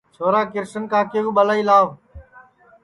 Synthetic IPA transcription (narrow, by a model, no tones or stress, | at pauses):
t͡ʃʰoːɾaːkɪɾsənkãːkeːũːɓəlaːiːlaː